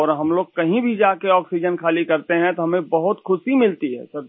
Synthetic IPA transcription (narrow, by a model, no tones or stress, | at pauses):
ɔːɾɦɐmloːɡ̚kɐɦĩbʱid͡ʒaːkeɔːksid͡ʒənkʰaːlikɐɾt̪eɦɛ̃t̪oɦɐmẽbɐɦʊt̪kʰʊsimɪlt̪iɦɛ̰ːsɐɾ